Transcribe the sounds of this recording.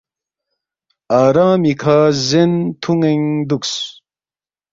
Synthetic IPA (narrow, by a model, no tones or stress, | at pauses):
aːɾãːmikʰazent̪ʰuŋeŋd̪uks